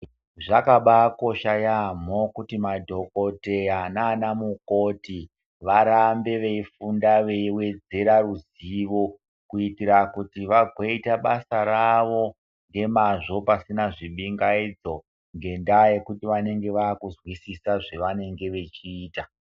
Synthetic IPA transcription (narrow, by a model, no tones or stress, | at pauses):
ʐakaɓako̞ʃajam̤okutimadʱo̞ko̞te̞anaːnamukoti | ʋaɾambe̞ʋe̞ifundaʋe̞iwe̞d͡ze̞ɾaruz | iʋo̞ | kuitiɾakutiʋaɡʱweitaɓasaɾaʋo̞ | ŋɡe̞maʐo̞pasinaʐiɓiŋɡaid͡zo̞ | ŋɡe̞ndaje̞kutiʋane̞ŋɡe̞ʋaːkuzwisisaʐe̞ʋane̞ŋɡe̞ʋe̞t͡ʃiːta